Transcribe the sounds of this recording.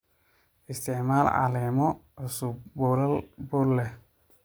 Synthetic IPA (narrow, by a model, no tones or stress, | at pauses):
ʔɪst̪ʰɪʕmaːlʕa̰lɛːmɔʕʊsubbʊɾɐlbʊlːɛ